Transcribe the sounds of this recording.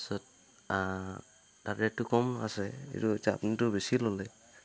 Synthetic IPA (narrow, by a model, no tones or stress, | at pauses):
sɔt̚ | a | taɾɛtukɔma̰sɛḭɾuta̰pnitʊbesilɔlɛ